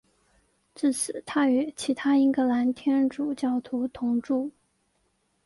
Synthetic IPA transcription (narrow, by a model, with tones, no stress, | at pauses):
ʈ͡ʂɻ̩˥˩sɹ̩˨˩t̪ʰa˥y˧˥t͡ɕʰi˧˥t̪ʰa˥i˥ŋkɤ˧˥la˧˥nt̪ʰjɛ˥nʈ͡ʂu˨˩t͡ɕjɑ˥˩ʊt̪ʰu˧˥t̪ʰʊ˧˥ŋʈ͡ʂu˥˩